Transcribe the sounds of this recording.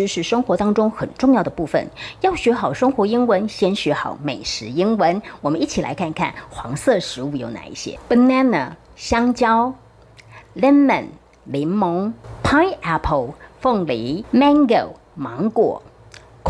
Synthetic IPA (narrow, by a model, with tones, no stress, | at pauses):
ɻ̩˧˥ʂɻ̩˨˩ʂɤ˥ŋxwɔ˧˥t̪ɑ˥ŋʈ͡ʂʊ˥ŋxə˨˩nʈ͡ʂʊ˥˧ŋjɑ˥˩ʊd̪ə˩pu˥˩fə̰˨njɑ˥˩ʊɕɥɛ˧˥xɑ˨˩ʊʂɤ˥ŋxwɔ˧˥i˥ŋwə˧˥nɕjɛ˥nɕɥɛ˧˥xɑ̰˨˩˦ʊme˨˩ɪʂɻ̩˧˥i˥ŋwə˧˥nwɔ˨˩mə˦ni˥˩t͡ɕʰi˨˩la̰˧˥ɪkʰa˥˧nkʰa̰˥˩nxwɑ˧˥ŋsɤ˥˩ʂɻ̩˧˥u˥˩jo˧˥ʊna̰˨˩ḭ˥˩ɕjɛ̰˦pə˥˩na˥nə˨˩ | ɕjɑ˥ŋt͡ɕjɑ˥ʊ | lɛ˥nmə̰˨˩n | li˧˥ŋmo˧˥ŋpʰa˥ɛ˥pʰə˨˩ʊfɤ˥˩ŋli˧˥mɛ˥ŋɡo˨˩ʊ | mɑ˧˥ŋkwɔ̰˨˩˦ | kʰ